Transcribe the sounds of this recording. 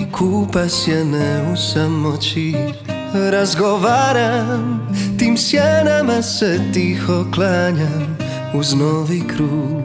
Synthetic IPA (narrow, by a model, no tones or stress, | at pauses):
kʰuːpasjɛnɛusamːɔt͡ʃi | ɾazɡɔvaːɾamt̪iːmsjanamasɛt̪iːxɔklaːɲam | uznɔʋikɾuː